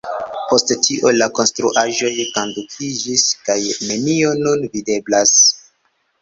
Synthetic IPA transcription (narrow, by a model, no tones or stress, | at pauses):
po̞sttʰiʔo̞lako̞nstɾuʔaʒo̞jkondukʰid͡ʒiskajne̞nio̞nunvide̞blas